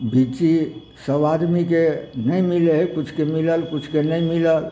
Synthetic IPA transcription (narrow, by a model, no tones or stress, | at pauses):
bʱit͡ʃi | səʋad̪mikenəĩmilekʊt͡ʃʰkemiləlkʊt͡ʃʰkenəĩmiləl